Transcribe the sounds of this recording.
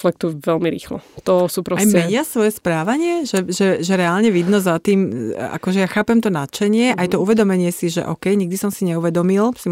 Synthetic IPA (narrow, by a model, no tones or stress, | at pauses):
flɛk̚t̪uʋɛlmiɾḭːxlɔ̰t̪ɔsuːpɾɔajmɛɲɪasʋɔjɛspɾaːʋaɲɪɛʒɛʒɛʒɛɾɛalɲɛʋid̪nɔzat̪iːma̰kɔʒɛjaxaːpɛmt̪ɔnat͡ʃɛɲɪɛʔajt̪ɔuʋɛd̪ɔmɛɲɪɛsiʒɛ̰ʔɔ̰kɛjɲiɡ̚d̪isɔmsiɲɛuʋɛd̪ɔmilsi